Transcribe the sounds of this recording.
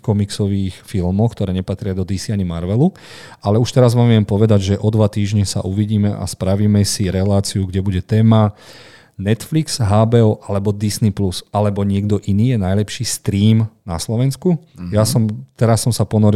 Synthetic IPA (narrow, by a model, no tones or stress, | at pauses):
kɔmiksɔʋiːxfilmɔʊxkt̪ɔɾɛːɲɛpat̪ɾɪad̪ɔd̪isiaɲimaɾʋɛlu | alɛuʃt̪ɛɾazʋaːmʋɪɛmpɔʋɛd̪aɟʒɛʔɔd̪ʋat̪iːʒɲɛsa̰ʔuʋiɟiːmɛʔa̰spɾaʋiːmɛsiɾɛlaːt͡siuɡɟɛbuɟɛt̪ɛːma | nɛt̪fliksɦaːbɛɔʔalɛbɔd̪isniplusalɛbɔɲɪɛɡd̪ɔʔiniːjɛnajlɛpʃiːst̪ɾiːmnaslɔʋɛnskujasɔmt̪ɛɾasːɔmsapɔnɔɾ